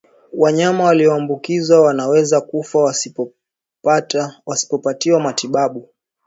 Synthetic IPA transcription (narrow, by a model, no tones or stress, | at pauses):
waɲamawaliɔambukizawanawɛzakufa | patwasi̥pɔpatiwamatiɓaɓu